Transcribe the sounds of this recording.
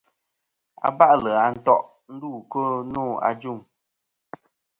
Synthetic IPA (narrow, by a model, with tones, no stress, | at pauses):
a̰˨ba˦ʔlə˨a˨n̩˦tɔ˦ʔ | n̩˦duː˦˨ko˦noː˦˨a̰˨d͡ʒu˦˨ŋ